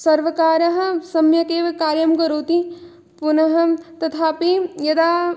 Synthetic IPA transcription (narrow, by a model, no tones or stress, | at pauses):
sɐɾʋɐkaːɾɐɦɐ̆sɐmjɐk̪eːʋɐkaːɾjɐmkɐɾoːt̪i | punɐɦɐ̆t̪ɐt̪ʰaːpijɐd̪aː